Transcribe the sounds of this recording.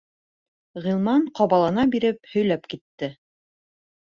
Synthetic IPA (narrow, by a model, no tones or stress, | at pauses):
ʁilˠmɑɴqɑβɑlˠɑnɑbiɾɘp̚hɵ̆jlæpkit̪ːɘ